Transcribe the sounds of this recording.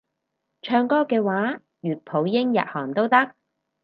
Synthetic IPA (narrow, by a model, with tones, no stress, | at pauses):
t͡ʃʰœː˧ŋkɔː˥kɛː˧waː˨˥ | jyː˨t̚pʰo˨˥wjɪ˥ŋjɐ̰˨t̚hɔː˨˩ŋt̪o˥wt̪ɐ˥k̚